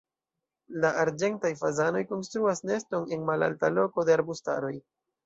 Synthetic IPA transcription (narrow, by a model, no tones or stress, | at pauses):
laʔaɾd͡ʒe̞ntajfazano̞jko̞nstɾuasne̞sto̞ne̞nmala̰ltalo̞ko̞deaɾbusta̰ɾo̞j